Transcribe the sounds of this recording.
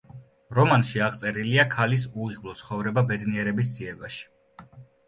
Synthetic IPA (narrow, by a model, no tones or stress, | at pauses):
ɾɔmanʃiaʁt̪sʼɛɾiliakʰalis̬uiʁvlˠɔt̪sʰχɔvɾɛbabɛd̪niɛɾɛbis̬d̪ziɛbaʃi̥